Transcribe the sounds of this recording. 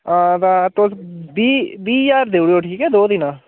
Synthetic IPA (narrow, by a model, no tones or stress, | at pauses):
ãːt̪ãːt̪osbiːbiːjaːɾd̪eːuɽijoːʈʰiːkɛːd̪oːd̪ɪnãː